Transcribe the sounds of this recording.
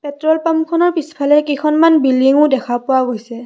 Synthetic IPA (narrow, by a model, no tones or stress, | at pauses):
pɛtɹɔlpamkʰɔnɔɹpisi̥pʰalɛkikʰɔnmanbiliŋʊ̃dɛkʰapʊwaɡojsɛ